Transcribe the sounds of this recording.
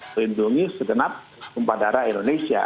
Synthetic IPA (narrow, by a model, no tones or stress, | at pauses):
linduŋisəɡənap̚ | kəmpadaɾaindonesia̰